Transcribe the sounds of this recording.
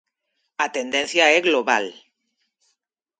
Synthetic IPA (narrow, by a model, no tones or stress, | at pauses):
at̪end̪enθjaeɣloβa̰l